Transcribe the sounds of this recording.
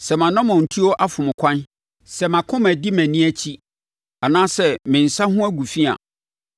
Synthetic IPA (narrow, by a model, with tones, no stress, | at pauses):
sɛ˨mã˨nã˦mɔ̃˨n̩˨tʰi˦ɔ˦ʔa˦fʊ˨mʊ̃˨kʷʰã˦n | sɛ˨mã˨kʰʊ̃˦mæ̃˨di˦mæ̃˨nĩ˦æ˦t͡ɕʰi˦ | a˨nãː˦sɛ˦mɪ̃˨n̩˨sa˦hʊ̃˦æ˦ɡu˨fi˦a̰˨